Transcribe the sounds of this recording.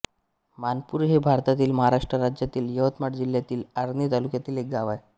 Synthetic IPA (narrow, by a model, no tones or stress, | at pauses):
manpuːɾɦebʱaɾt̪at̪iːlməɦaɾaʂʈɾəɾad͡ʑjat̪iːljəʋət̪maʈd͡ʑiljat̪iːlaɾnit̪alukjat̪iːlek̚ɡaʋaj